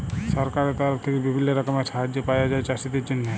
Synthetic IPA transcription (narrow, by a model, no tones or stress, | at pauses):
sɔɾkaɾet̪ɔɾəpʰt̪ʰekebibʱinːəɾɐkəmeʃaɦad͡ʒːepajad͡ʒaet͡ʃasit̪it͡ʃinːe